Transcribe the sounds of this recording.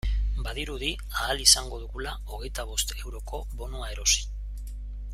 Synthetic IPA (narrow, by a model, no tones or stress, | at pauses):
baðiɾuði | aːlisaŋɡo̞ð̞uɣula | o̞ɣ̞e̞jt̪aβ̞o̞st̪e̞wɾo̞ko̞βo̞nuae̞ɾo̞si̥